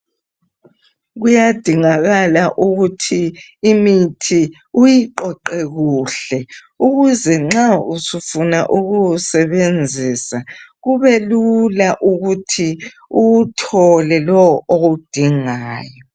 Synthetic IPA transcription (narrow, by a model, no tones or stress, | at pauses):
ɣujad̥ʱiŋaɣalaʔuɣutʰiːmitʰi | ujiǃɔǃɛɣuːɬɛ | uɣuzɛŋ͡ǁausufunaʔuɣusɛβend͡zʱiːsaɣuβɛlulaʔuɣutʰi | uutʰɔlɛlɔwɔʔoɣud̥ʱiŋaːjɔ